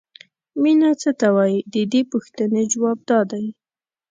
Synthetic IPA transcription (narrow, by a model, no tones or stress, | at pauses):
minat͡sət̪awɑjd̪əd̪epuxt̪əned͡ʒwɑb̚d̪ɑd̪aj